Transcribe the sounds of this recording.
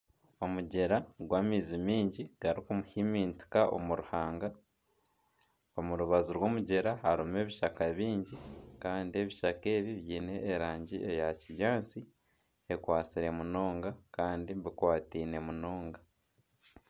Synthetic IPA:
o̞muɟe̞ɾaɡwaːmiːzimiːɲɟiɡ̥aɾikumuhimiːnti̥kaʔo̰muɾuhaːŋɡa | omuɾuβazuɾwo̞ːmuɟe̞ɾahaɾume̞ːβiʃakaβiːɲɟikaːndie̞βiʃake̞ːβiβjiːne̞ːɾaːɲɟḭejaciβjaːnt͡si | e̞kwaːt͡siɾe̞muno̞ːŋɡakaːndiβikwaːtiːne̞muno̞ːŋɡa

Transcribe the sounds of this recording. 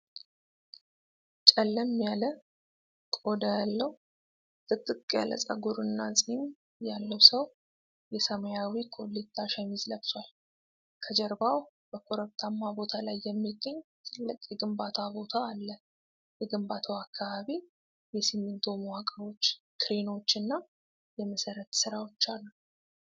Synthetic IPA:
t͡ʃʼɛlːəmːjalə | kʼo̞d̪əjalːəwu | t̪ʼɨt̪ʼːɨkʼja̰lə̰sʼə̰ɡuɾɨnːasʼin | jalːəwsəw | jɛsəmjawikʰʼolːit̪ʰʼːaʃaɲizləbswal | kʰəd͡ʒɛɾbaw | b̥əkʰo̞ɾəβt̪ʰamːabo̞t̪ʰalajːɛmːiɡːəɲːt̪ʰɨlːɨkʼjɛɡɨmbat̪ʰabo̞t̪ʰaːlːə | jɛɡɨmbat̪ʰəwakʰːaβaβi | jɛsimːɨnt̪ʰomwakʼəot͡ʃː | kʰɨɾino̞t͡ʃːɨnːa | jɛməsəɾət̪sɨɾawo̞t͡ʃːalːəw

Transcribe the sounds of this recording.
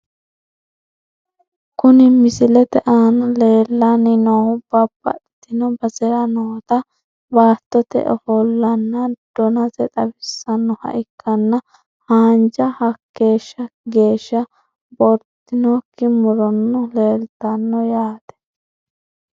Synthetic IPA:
kʊnɪmɪsɪlɛt̪ɛʔaːnɐle̞ːlːɐnɪnoːhʊb̥ɐbːɐ̰ʔt̪ːɪnɔbɐzɛɾɐnoːt̪ɐ | baːt̪ːɔt̪ɛ̰ʔɔfɔlːɐnːɐd̪̥ɔnɐzɛt̪ʼɐbɪsːɐnːɔhɐ̰ʔɪkʰːɐnːɐ | haːnd͡ʒɐhɐkːe̞ːʃːɐɡe̞ːʃːɐ | bɔɾt̪ːɪnokːɪmʊɾɔnːɔle̞ːlt̪ɐnːɔjaːt̪ɛ̥

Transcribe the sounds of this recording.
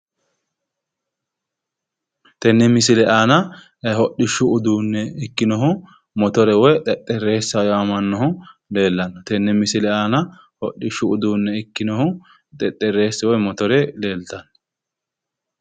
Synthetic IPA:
t̪ɛnːɛmɪsɪlɛʔaːnɐ | ɦɔɗːɪʃːʊʊd̪uːnːɛɪkːɪnɔɦʊ | mɔt̪ɔɾɛwɔjt̪ʼɛt̪ʼːɛrːe̞ːsːɐjamɐnːɔhʊle̞ːlːɐnːɔt̪ɛnːɛmɪsɪlɛaːnɐ | hɔɗːɪʃʊʊd̪uːnːɛɪkːɪnɔhʊ | t̪ʼɛt̪ʼːɛrːe̞ːsːwɔjmɔt̪ɔɾɛle̞ːlt̪ɐnːɔ̥

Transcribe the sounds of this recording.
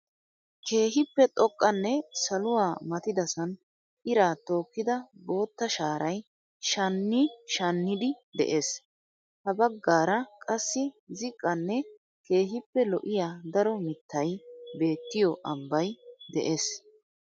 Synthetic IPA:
ke̞ːɦɪpːɛt̪ʼɔkʼːɐnːɛsɐlʊwaːmɐt̪ɪd̪ɐsɐn | ɪɾaːt̪o̞ːkːɪd̪ɐbo̞ːt̪ːɐʃaːɾɐj | ʃɐnːɪʃɐnːɪd̪ɪd̪ɛ̰ʔe̞ːs | hɐbɐɡːaːɾɐkʼɐsːɪzɪkʼːɐnːɛ | ke̞ːɦɪpːɛlɔ̰ʔɪjaːd̪ɐɾɔmɪt̪ːɐjbe̞ːt̪ːɪjɔʔɐmbɐjd̪ɛ̰ʔe̞ːs

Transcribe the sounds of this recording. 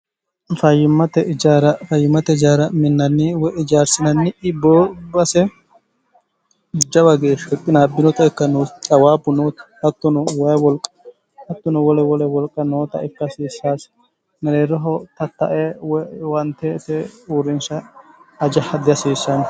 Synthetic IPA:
fɐjːɪmːɐt̪ɛd͡ʒaːɾɐfɐjːɪmːɐt̪ɛɪd͡ʒaːɾɐmɪnːɐnːɪwɛʔɪd͡ʒaːɾsɪnɐnːɪʔɪbːɔːbɐsɛ | d͡ʒɐwɐɡeːʃɛpʼːɪnaːbɪnɔt̪ɐɪkːɐnɔt͡sʼɐwaːbʊnoːt̪ɐ̥hɐt̪ːʊnɔwɐjwɔlkʼːɐ̥ | hɐt̪ːʊnɔwɔlɛwɔlɛwɔlkʼːɐnoːt̪ɐʔɪkːɐsiːsːaːs | nɐɾeːɾɔɦɔt̪ɐt̪ːɐ̰ʔɛwwɐnt̪ːɛt̪ɛuɾːɪnʃɐː | d͡ʒɐhɐd̪ɪjɐsiːsːɐn

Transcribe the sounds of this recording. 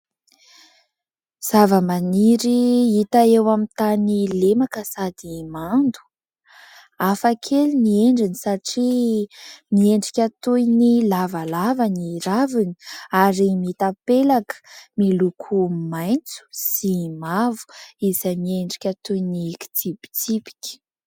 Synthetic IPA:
z̥avəmaniɾiit̪aewamit̪anilemakəsad̪imand̪u̥ | afakʰelinieɳɖ͡ʐinisaʈ͡ʂi | mieɳɖ͡ʐikʲat̪ujnilavalavaniɾavini̥aɾimit̪apelakə̥milukʰumajnt͡su̥simavu̥iz̥ajmieɳɖ͡ʐikʲat̪ujniki̥t͡sipi̥t͡sipi̥kʲi̥

